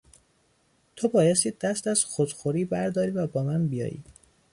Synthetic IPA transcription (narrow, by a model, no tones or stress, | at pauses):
t̪ʰobɒːjest̪iːd̪æst̪æz̥xod̪̥xoɾiːbæɾd̪ɒːɾiːvæbɒːmænbijɒ̰ːjḭː